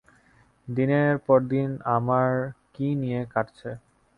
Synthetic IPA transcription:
d̪ineɾpɔɾd̪inamaɾkinijekaʈt͡ɕʰe

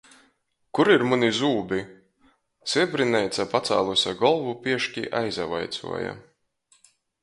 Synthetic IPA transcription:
kuɾiɾmunizuːbʲi | siɛbɾinɛjt̪sapat̪sa̰ːlˠusʲaɡɔlˠvupiɛʃkʲḭʔajzava̰jt̪sṵɔja̰

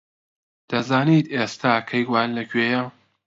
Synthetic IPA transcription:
d̪̥ɐzaːniːt̪eːst̪ʰaːkʰɐjɡwaːnlɐkʰɥeːjɐ

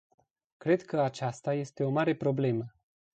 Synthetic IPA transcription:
kɾe̞d̪kəat͡ʃast̪aje̞st̪e̞o̞maɾe̞pɾo̞ble̞mə

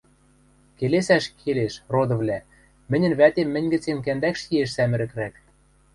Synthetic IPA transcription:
kelesæʃkʰeleʃrod̪ɤ̆vlʲæ | mɘ̆nʲɘ̆nβæt̪emːɘ̆nʲɡɘ̆t͡senk̬ænd̪ækʃjieʃsæmɘ̆ɾɘ̆kɾæk

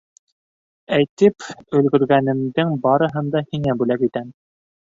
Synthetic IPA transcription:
æjt̪ɘpɵ̆lɡɵ̆ɾɡænɘ̆md̪ɘŋbɑɾɤ̆ɦɤ̆nd̪ɑhiŋæbʉlækit̪æm

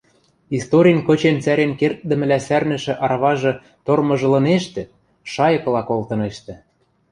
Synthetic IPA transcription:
ist̪oɾʲijənkɤ̆t͡ɕent͡sæɾenkert̪̚d̪ə̆mɘ̆læsærnɘ̆ʃɘ̆ʔɑɾɑβɑʒɤ̆ | t̪ormɤ̆ʒɤ̆lɤ̆neʃt̪ĕ | ʃɑjɤ̆kɤ̆lɑkolt̪ɤ̆neʃt̪ĕ

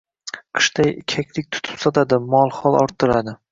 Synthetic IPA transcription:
qʰɨ̥ʃt̪ajkʲʰakʲlɪk̚ʲt̪ʰʊ̥t̪ʰʊ̥psɒt̪ʰad̪ɪmɒlˠχɒlˠɒɾt̪ːɨɾad̪ɪ

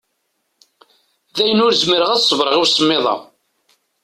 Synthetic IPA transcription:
ðæjənʊɾzməɾəʁæðsˤəvɾˤəʁiwsəmːɪðˤɑ̰

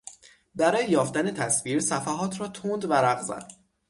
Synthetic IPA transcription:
bæɾɒːjejɒːft̪æne̞t̪ʰæsviːɾsæfæɦɒːt̪ʰɾɒːt̪ʰund̪væɾæɣzæ̰d̪̥

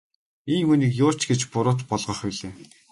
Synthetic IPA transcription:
enmɵ̆niːkjʊːt͡ɕɡet͡ɕpʊɾʊːt̪pɔɮʁɞ̆χpiɮeː

